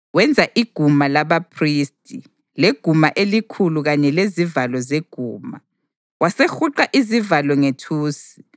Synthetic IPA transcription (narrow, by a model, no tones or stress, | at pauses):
wɛnd͡zʱaʔiɡ̥ʱumalaβapʰristʼi | leɡ̥ʱumaʔelikʰuluɣaɲɛlezivalɔzeɡ̥ʱuːma | wasexuǃaʔizivalɔŋetʰuːsi̥